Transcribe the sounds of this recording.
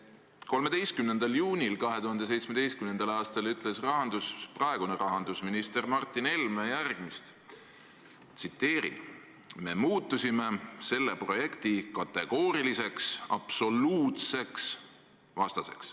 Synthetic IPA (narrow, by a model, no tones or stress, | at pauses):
ko̞lme̞d̪e̞jst̪kymne̞nd̪̥ɑljuːnʲilkɑɦe̞t̪uɦhɑnd̪̥ese̞jt̪smed̪e̞jst̪kymnend̪ɑlɑːst̪ɑlyt̪ːˑle̞srɑɦɑnd̪̥usprɑeɡ̥uneɾɑɦɑnd̪̥usminist̪e̞rmɑrt̪ːˑine̞lmejærɡ̥mist̪ | t̪sit̪ːe̞ːɾḭn | me̞muːt̪ːusʲime̞se̞lːe̞pro̞je̞kt̪ikɑt̪ːe̞ɡ̥o̞ːɾilise̞ksɑ̰b̥so̞luːt̪se̞ks | vɑst̪ɑse̞̰ks